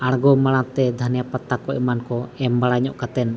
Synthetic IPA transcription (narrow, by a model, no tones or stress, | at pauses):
aɽɡɔmaɽ̃at̪ɛd̪ʱanijapat̪akɔɛmankɔɛmbaɽaɲɔʔkat̪ɛn